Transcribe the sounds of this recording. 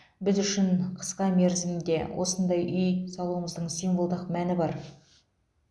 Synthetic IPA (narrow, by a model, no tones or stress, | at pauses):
bɪzʏʃɪɴqʰə̥sqɑme̞ɾzɪmnd̪e̞̰wʔo̞̰sənd̪ɑjʔʏjsɑlˠuwəməzd̪əɴsimvolˠd̪əqmænɪbɑɾ